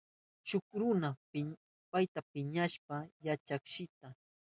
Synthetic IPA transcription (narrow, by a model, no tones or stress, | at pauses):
t͡ʃʊkɾʊna | pajt̪apɪɲaʃpajat͡ʃakʃɪt̪a